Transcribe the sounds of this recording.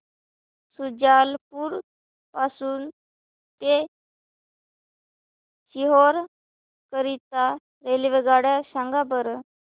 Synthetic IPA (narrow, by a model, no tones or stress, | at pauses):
sud͡ʑalpuːɾ | pasuːn | t̪e | ɕiɦoɾ | kəɾit̪a | ɾeliʋeɡaɽjasaŋɡabəɾ